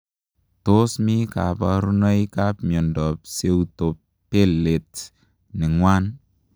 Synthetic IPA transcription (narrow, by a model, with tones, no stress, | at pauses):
to˦smi˦ka̰˨pa˨ɾu˦nɔ˦jka˦pmjɔ˨ndɔpse˦wto˨pː | e˦lːe˨t | nɪ˨ŋwa˦n